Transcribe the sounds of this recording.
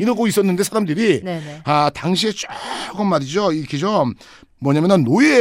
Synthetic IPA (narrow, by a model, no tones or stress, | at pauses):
inɯɡois͈ʌnːɯnde̞sʰaɾamdɯɾinataŋɕ̬ʰie̞t͡ɕ͈okɯmːaɾid͡ʑoikʰed͡ʑʌmː | wʌɲamenɯnːoie